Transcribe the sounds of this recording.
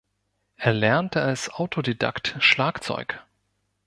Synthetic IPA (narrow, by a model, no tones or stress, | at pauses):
ʔeːɐlɛɐntʰəalsʔaʊtʰodeda̰ktʃlaːkt͡sɔ̰ʏk